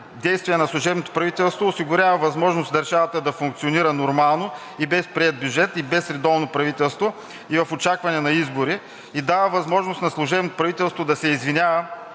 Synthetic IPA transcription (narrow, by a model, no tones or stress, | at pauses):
d̪ɛjst̪viɛnɐslˠʊʒɛbnot̪o̥pɾɐvit̪ɛlˠst̪voːsiɡʊɾʲavəvɐzmɔʒnosd̪ɐɾʒavɐt̪əd̪ɐfʊŋkt̪sioniɾənoɾmalˠno | ibɛspɾiɛt̪̚bjud͡ʒɛt̪ibɛsɾɛd̪ɔvnopɾɐvit̪ɛlˠst̪vo | ivɐfot͡ʃakvɐnɛnɐizboɾi | id̪avəvɐzmɔʒnost̪nɐslˠʊʒɛbnot̪o̥pɾɐvit̪ɛlˠst̪vod̪ɐsɛizvinʲavə